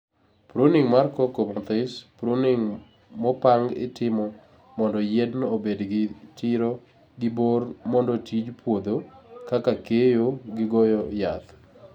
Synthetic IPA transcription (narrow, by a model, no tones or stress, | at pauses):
pɾoniŋmarkɔkomɔt̪ɪspɾoniŋ | mɔpaŋɡɪ̰tɪmɔ | mɔndɔjɛdnobedɡɪtɪɾo | ɡɪbormɔndɔtid͡ʒpwod̪okakakejoɡɪɡɔjɔjat̪